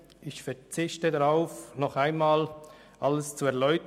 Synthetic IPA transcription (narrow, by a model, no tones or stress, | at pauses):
ʔɪçfɛt͡sɪçtədaʁaʊfnɔχaɪnmaːl | ʔaləst͡suɛɐlɔʏt